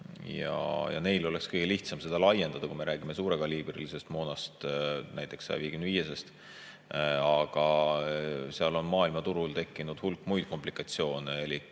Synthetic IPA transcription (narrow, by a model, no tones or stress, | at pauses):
jɑ̰jɑ̰ne̞jlo̞le̞kskɤjɡ̥e̞liht̪sɑmse̞d̪̥ɑlɑje̞nd̪̥ɑd̪ɑkume̞ɾæːɡ̥ime̞suːɾe̞ɡ̥ɑliːb̥rḭlise̞st̪moːnɑst̪næjt̪ːˑe̞ksɑ̰jɑ̰viːeɡymnd̪viːjesest̪ | ɑɡ̥ɑ | seɑlo̞nmɑːilmɑt̪uɾult̪e̞kˑːinud̪̥hulkːˑmujd̪̥̚ko̞mplikˑɑt̪sio̞ːnelik